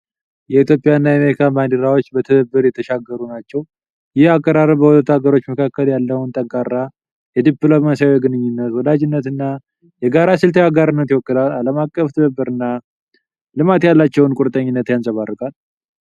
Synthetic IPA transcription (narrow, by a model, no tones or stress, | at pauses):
jɛit̪ʰjopʼjaɨnːajameɾikʰaband̪əɾawot͡ʃːbət̪ʰɨβəbːɨɾjɛt̪ʰəʃaɡəɾunat͡ʃːɛw | jɪhakʼːəɾaɾəbəwɔt̪ʼət̪aɡəɾo̞t͡ʃːməkʰakːəljalːəwnt̪ʼəŋkʼarːa | jɛd̪iplo̞masiawjɛɡɨnɨɲːɪnːət̪wɔlad͡ʒɪnːət̪ɨnːa | jɛɡaɾasɨlt̪ʰəjaɡaɾɨnːət̪jɪwɔkːɨlalaləmakʼːəft̪ʰɨβəbːɨɾɨnːa | lɨmat̪jalːat͡ʃːɛwnkʼʊɾt̪ʼəɲːɪnːət̪jansʼəβarːɨkʼal